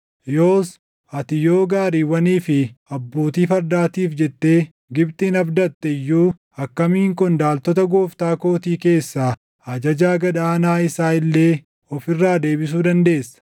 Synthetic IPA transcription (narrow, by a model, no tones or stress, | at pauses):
joːs | ɐt̪ɪjo̞ːɡaːɾiːwɐniːfɪɐbːo̞ːt̪iːfɐɾd̪aːt̪iːfd͡ʒɛt̪ːe̞ː | ɡɪbt̪iːnɐfd̪ɐt̪ːɛɪjːuː | ɐkːɐmiːŋkʊnd̪aːlt̪ɔt̪ɐɡoːft̪aːko̞ːt̪iːke̞ːsːaː | ɐd͡ʒɐd͡ʒaːɡɐᶑaːnaːɪsaːɪlːe̞ː | ɔfɪrːaːd̪e̞ːbɪs̬uːd̪ɐnd̪e̞ːsːɐ̥